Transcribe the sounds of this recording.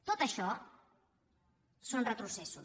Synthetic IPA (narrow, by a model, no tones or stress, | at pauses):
t̪ot̪ɐʃɔ | sonrət̪ɾusɛsu